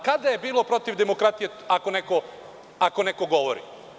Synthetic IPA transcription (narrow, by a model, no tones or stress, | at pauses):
kad̪aje̞biːlˠo̞pɾo̞t̪iʋd̪emo̞kɾat̪ije̞ | ako̞neko̞ | ako̞neko̞ɡo̞ʋo̰ɾḭ